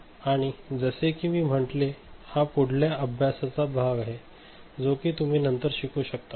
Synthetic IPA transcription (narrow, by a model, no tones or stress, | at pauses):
aɽ̃id͡zəsekiʋ̃iːm̤əʈlehapuɽ̤ʱljaʔəbʱjasat͡sabʱaɡaɦe | d͡zokiːt̪um̤iːnənt̪əɾɕikuːɕək̚t̪a